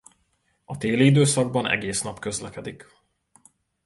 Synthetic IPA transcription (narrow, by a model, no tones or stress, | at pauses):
ɒt̪eːlid̪øːsɒɡ̚bɒnʔɛ̰ɡeːsnɒpkø̞zlɛkɛd̪ik